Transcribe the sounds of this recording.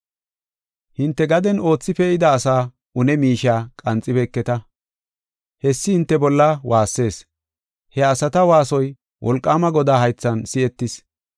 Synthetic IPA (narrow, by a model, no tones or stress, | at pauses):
hɪnt̪ːɛɡɐd̪ɛno̞ːt͡sːɪfɛɪd̪ɐːsaː | ʊnɛmiːʃaːkʼɐnt͡sʼːɪbɛkːɛt̪ɐ | hɛsːɪhɪnt̪ːɛbɔlːɐwaːsːe̞ːs | hɛɐsɐt̪ɐwaːsɔj | wʔɔ̰lkʼːaːmɐɡɔd̪aːɦɐjt͡sːɐnsɪɛt̪ːɪs